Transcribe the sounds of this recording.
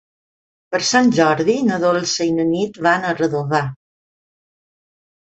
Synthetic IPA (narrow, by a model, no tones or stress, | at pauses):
pəɾsanʒɔɾðinəðolˠsejnənit̪βanərəðoβa